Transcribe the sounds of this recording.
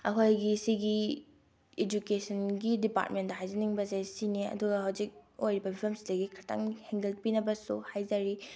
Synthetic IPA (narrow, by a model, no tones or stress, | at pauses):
ɐkʰojɡisiɡi | ed͡ʒukesʰɐnɡidipa̰tmentdɐɦajzɐniŋbɐzajsiniɐ̰duɡɐhawzik̚ojɾibɐbʱiɐmsdɐɡikʰatʰa̰ŋheŋɡelpinɐbɐsuhajzɐɾi